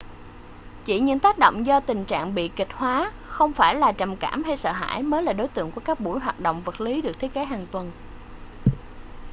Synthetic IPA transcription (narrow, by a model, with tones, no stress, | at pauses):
t͡ɕi˧˩ɲɨ̰˧˥ŋt̪aː˦˥k̚ɗo̰˧˨wŋ͡mzɔ˧t̪ï˨˩ŋ̟t͡ɕa̰ː˧˨ŋɓḭ˧˨kï˨˩k̟̚hwaː˨˦ | xə˧wŋ͡mfaː˧˩jlaː˨˩t͡ɕə˨˩mkaː˧˩mha˧jsə̰ː˧˨ɦa̰ː˧˥jməː˨˦jlaː˨˩ɗo˨˦jt̪ɨ̰˧˨əŋku˧˩əkaː˦˥k̚ɓṵ˧˩əjɦwaː˨˩t̚ɗo̰˧˨wŋ͡mvə˨˩t̚li˨˦ɗɨ˨˩ək̚t̪̚ʰke˨˦ɦaː˨˩ŋt̪wə˨˩n